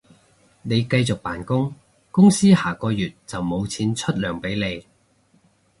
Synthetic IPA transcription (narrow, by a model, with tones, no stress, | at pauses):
ne˨˧jkɐ˧jt͡sʊ˨k̚paː˨˩nkʊ˥ŋ | kʊ˥ŋsiː˥haː˨˩kɔː˧jyː˨˩t̚t͡sɐ˨wmo˨˧wt͡sʰiː˨˥nt͡ʃʰɵ˥t̚lœː˨˩ŋpe˨˥jne˨˧j